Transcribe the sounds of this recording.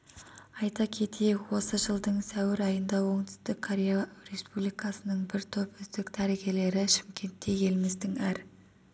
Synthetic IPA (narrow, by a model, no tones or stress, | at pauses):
ɑjt̪ɑkʲʰe̞t̪ʰejekwo̞səʒəlˠd̪əɴsæwɪɾɑjənd̪ɑwo̞ɴt̪ʏ̥st̪ɪkkʰːoɾʲejaɾe̞spublijkɑsənəɴbɪɾt̪ʰo̞pʏzd̪ɪkd̪ʰæɾiɡʲe̞le̞ɾɪʃɪ̥mkʲʰe̞nt̪ːe̞je̞lmɪzd̪ɪŋæɾ